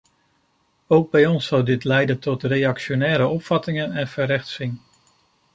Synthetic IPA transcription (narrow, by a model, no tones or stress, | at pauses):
owɡ̚bɛjɔnsːʌwdɪtlɛjdəntɔtrejɑkʃonɛːɾəɔpfɑtɪŋənɛnvəɾɛχtsɪŋ